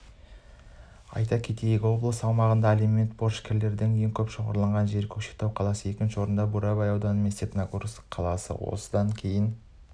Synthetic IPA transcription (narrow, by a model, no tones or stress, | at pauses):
ɑ̰jt̪ɑkʲʰet̪ejɪɡʲɪwo̞blˠəsɑlˠmɑʁənd̪ɑleme̞t̪boɾʃkʲʰeɾle̞ɾd̪ɪŋje̞ŋkʲʰɵpʃoʁɑ̰ɾlˠɑɴʁɑnʒe̞ɾkʲʰɵkʃe̥k̚t̪ʰɑwqʰɑlˠɑsəe̞kʲɪnʃɪwo̞ɾənd̪ɑbuɾɑbajɑwd̪ɑnemest̪epnakuɾsqʰɑlˠɑsə̰wo̞̰səd̪ɑŋkʲʰe̞jɪn